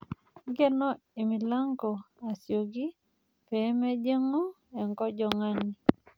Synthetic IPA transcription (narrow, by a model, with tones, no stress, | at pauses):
ɡɛ˦nɔ˦ | e˨mi˨la˦ŋɡo˨a˨sjo˨ɡi˦ | pɛ˨˦mɛ˦d͡ʒe˦ŋo˦ | ɛ˨ŋkɔ˦d͡ʒɔ˨ŋa˦ɲi˦